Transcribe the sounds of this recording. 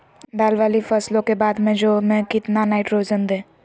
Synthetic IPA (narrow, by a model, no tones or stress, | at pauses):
d̪aːlʋaːlifəslõkebaːd̪mẽd͡ʒoːmẽkɪt̪nanaːɪʈɾoːd͡ʒənd̪ẽː